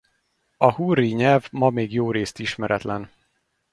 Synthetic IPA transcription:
ɒhurːiɲɛlvmɒmeːɡjoːɾeːst̪iʃmɛɾʔɛt̪lɛn

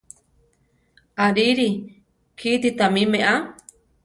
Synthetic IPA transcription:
aɾiɾi | kʰit̪it̪amĩmẽʔa

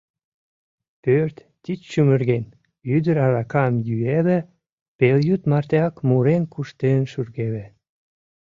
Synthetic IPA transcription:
pørt̪ | t̪it͡ʃʃymərɣen | yd̪əɾɑɾɑkɑmjyeβĕ | peljyt̪mɑrt̪eɑkmuɾenkuʃt̪enʃyrɣeβĕ

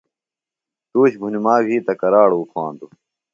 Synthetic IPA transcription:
t̪uːɕɡʱunimaːɡʱiːt̪ɐkɐɾaːɽuːkʰaːnd̪u

